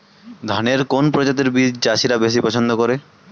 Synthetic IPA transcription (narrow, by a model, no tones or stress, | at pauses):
d̪ʱaneɾkonpɾod͡ʑat̪̬eɾbid͡ʑd͡ʑaʃiɾabes̬ipɔt͡ɕʰond̪okoɾe